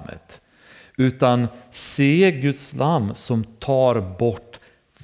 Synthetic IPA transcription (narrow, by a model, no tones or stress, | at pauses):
ə̰t̪ | ʉ̟ːt̪anseːɡɵt̪slʔamːsɔmt̪ʰɑːɾbɔʈː